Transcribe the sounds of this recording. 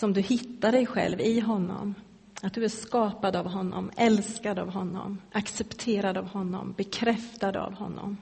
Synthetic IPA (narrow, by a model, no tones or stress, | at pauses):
sɔmd̪ɵhɪt̪ːaɖɛjɧɛ̰lvɪɦɔnːɔ̰m | at̪̚d̪ɵæʂkɑːpad̪avɦɔnːɔ̰mɛlskad̪a̰vɦɔnːɔ̰mʔaksɛpt̪ʰeːɾad̪avhɔnːɔ̰mbɛkʰɾɛft̪ad̪a̰vhɔnːɔ̰m